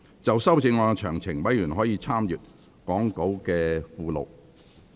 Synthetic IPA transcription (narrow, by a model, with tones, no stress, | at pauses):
t͡sɐ˨wsɐ˥wt͡sɪ˧ŋːɔː˧t͡ʃʰœː˨˩ŋt͡sʰɪ˨˩ŋwɐ˨˥jjyː˨˩nɦɔː˨˥jiː˨˧t͡sʰaː˥mjyː˨t̚ | kɔː˨˥ŋko˨˥wkɛː˧fuː˨lo̰˨˩w